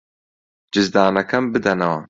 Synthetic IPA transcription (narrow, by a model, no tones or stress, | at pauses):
d͡ʒɨzd̪aːnɐkʰɐmbɨd̪ɐnɐwɐ̰